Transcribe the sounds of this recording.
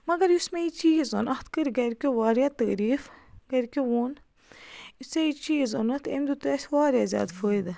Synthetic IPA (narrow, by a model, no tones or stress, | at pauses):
mɐɡɐɾjusmeit͡ʃiːzo̰nɐht̪kəɾɡɐɾʲkʲoʋaːɾjaːt̪əːɾiːfɡɐɾkʲowoːn | iseit͡ʃiːzonɐt̪ʰḛmd̪ut̪ɐsʋaːɾjaːzʲa̰ːd̪fʰəːid̪